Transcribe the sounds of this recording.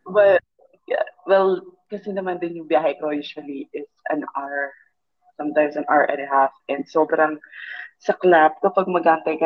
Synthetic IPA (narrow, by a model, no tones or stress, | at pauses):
wɛ | wɛlkɐsɛnɐmand̪ɪnjʊŋbjaːɦɐjkojuːʃwɐliʔɪtsʔɐ̰̃naɹ | sɐ̃mt̪ãjmsɐ̃nʔaɹʔɛ̰nɪhafʔɛ̃nd̪soːbɾɐŋsɐklap̚kɐpaɡ̚mɐɡaʔnt̪ɐjkɐ